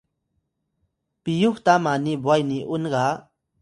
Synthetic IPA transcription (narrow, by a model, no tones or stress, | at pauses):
pɪjoχt̪amanibwajniʔʊnɢɑ